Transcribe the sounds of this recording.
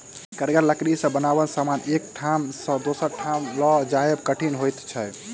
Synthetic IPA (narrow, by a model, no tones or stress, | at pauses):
kəɾɡəɾləkɾisə̃bənabənsamanek̚ʈʰamsə̃d̪osəɾʈʰamlɔd͡ʒajbkəʈʰinɦojt̪t͡ʃʰɛ